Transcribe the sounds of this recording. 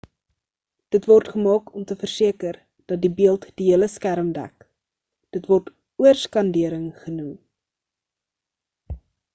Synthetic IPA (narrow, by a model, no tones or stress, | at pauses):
d̥ətvɔrtχəmɑːkɔmtəfərsiəkər | d̥ɐt̚dibiəlˠtd̥iɦiələskæɾəmdæ̰k | d̥ətvɔrt | uərskɐndiəɾəŋχənum